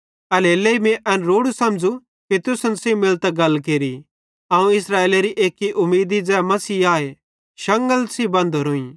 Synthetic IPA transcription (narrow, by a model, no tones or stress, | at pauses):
ɐleːleːimẽʔɐnɾoːɽusɐ̃md͡zu | kit̪ʊsənsẽmɪlt̪ɛɡɐlːk̬eːɾi | ãːũɪsɾaːeːleɾiʔeːkːiʔʊmːiːd̪id͡zɛːmɐsiːaːe | ʃɐ̃ŋɡəlsibɐ̃nd̪ʱoɾoːĩ